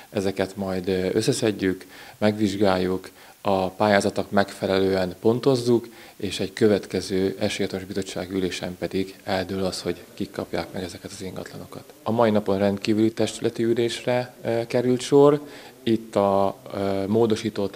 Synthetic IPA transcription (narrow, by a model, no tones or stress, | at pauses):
ɛzɛkɛt̪mɒjd̪øsːɛsɛɟːykmɛɡʋiʒɡaːjːuk | ɒpaːjaːzɒt̪o̞kmɛkfɛlɛløːɛnpo̞nt̪o̞zːuk | eːʃɛɟkø̞vɛt̪kɛzøːɛʃejɒt̪oʒbizo̞t͡ʃːa̰ːɡiyleːʃɛmpɛd̪iɡɛld̪ylɒsho̞ɟkikʰːɒpja̰ːkmɛɡɛzɛkɛt̪ɒziŋɡɒ̰t̪lɒno̞kɒt̪ɒmɒinɒpo̞nrɛnt̪kiːvylit̪ɛʃt̪ylʔɛt̪iyleːʃrɛkɛɾylt̪ʃo̞rit̪ːɒ | moːd̪o̞ʃiːt̪oːt̪